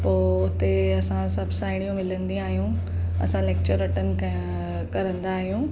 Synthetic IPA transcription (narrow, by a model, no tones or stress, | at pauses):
poːʊt̪eɐsãsɐbʱsaːɪɽ̃ijõmɪlə̃nd̪ĩaːɦijũ | ɐ̰sãleːkt͡ɕəɾːɐʈənɪ̆ | kɐɾə̃nd̪aːɦijũː